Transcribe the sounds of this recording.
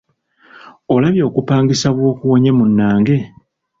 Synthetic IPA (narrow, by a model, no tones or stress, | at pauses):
olaβjo̞ːkupaːŋɡisaβwo̞ːkuwo̞ɲemunːaːŋɡe̞